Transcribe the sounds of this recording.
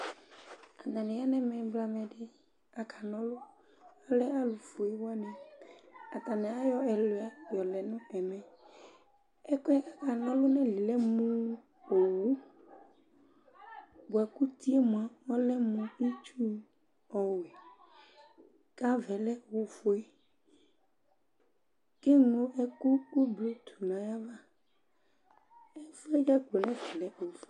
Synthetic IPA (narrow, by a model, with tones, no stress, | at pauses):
a˨nã˨nɪ̃˨a˦nɛ̃˦mɛ̃˨bla˦mɛ˨ɖɪ˦ | a˨kʰa˨nɔ̃˦lʊ˦ | a˦lɛ˦a˦lu˨fu˨ɛ˦wa˦nɛ̃˨ | a˨t̪a˨nɛ̃˨a˦jɔ˦ɛ˨lo˨a˦jɔ˨lɛ˨nʊ̃˦ɛ˨mɛ̃˨ | ɛ˦kwɛ˦ʔa˨ka˨nɔ̃˦lʊ˦nɛ̃˦li˨lɛ˦mũ˦ | o˨wu˦ | bo˨ɛ˨ku˦t̪i˦e˦mũ˨ã˨ŋɔ˦lɛ˦mũ˦i˦t͡ʃu˦ | ɔ˦we˨ | ka˦vɛ˨lɛ˦˨wu˦fo˨˦e˦ | ke˦ŋo˦ʔe˦ku˦ku˦bi˨o˦t̪ʰu̥˨nã˨ja˦va˦ | ɛ˦fo˦e˦d͡ʒa˦ɡ͡bo˨nɛ̃˦vɛ˨lɛ˦o˨fo˦